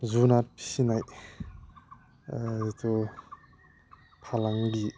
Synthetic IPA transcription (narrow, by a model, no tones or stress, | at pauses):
zunaɾpʰi̥sinaj | tʰu | pʰalaŋɡi